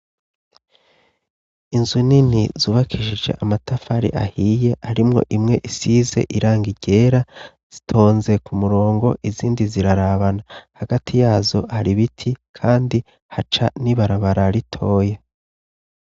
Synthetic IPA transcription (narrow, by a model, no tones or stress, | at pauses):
inzuninizuːβakʰiʃid͡ʒe̞̰ʔamatafaɾḭʔa̰hije̞haɾimŋo̞̰ʔimŋe̞ʔisize̞̰ʔiɾaːŋɡiɟe̞ːɾa | z̥itʰo̞ːnze̞kumuɾo̞ːŋɡo̞ʔiziːndiziɾaɾaβanahaɡatʰijaːzo̞haɾiβitʰikʰaːndi | hat͡ʃaniβaɾaβaɾaɾitʰo̞ːje̞